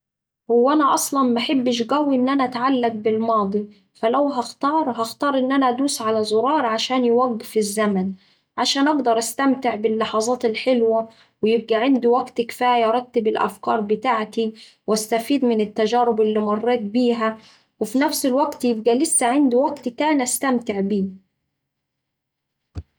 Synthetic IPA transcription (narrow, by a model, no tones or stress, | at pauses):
hʊwːæʔænæʔɑsˤlɑnmaħebːɪʃɡæwːiʔɪnːʔænæʔæt̪ʕalːaɡ̚bɪlmɑːd̪ˤi | fælæwɦɑxt̪ɑːɾˤɦɑxt̪ɑːɾˤʔɪnːʔænæd̪uːsʕalæzˤʊɾˤɑːɾˤʕaʃæːnjwæɡːɪfɪzːæmæn | ʕaʃæːnʔɑɡd̪ɑɾˤʔast̪æmt̪ɪʕbɪlːɑħɑzˤɑːt̪ɪlħɪlwæ | wɪjɪb̚ɡæʕand̪uwæɡt̪kfæːjɑɾˤɑt̪ːɪbɪlʔæ̰fkɑ̰ːɾˤbɪt̪aːʕt̪i | wæst̪æfiːd̪mɪnɪt̪ːæʒæːɾɪbʔɪlːimɑrˤːeːt̪̚biːɦæ | wɪfinæfsɪlwæɡt̪jɪb̚ɡælɪsːæʕand̪uwæɡt̪k̪æːnʔæst̪æmt̪ɪʕbiː